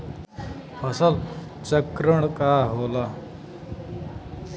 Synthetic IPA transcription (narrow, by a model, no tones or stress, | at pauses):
pəsal | t͡səkɾəɳkaɦola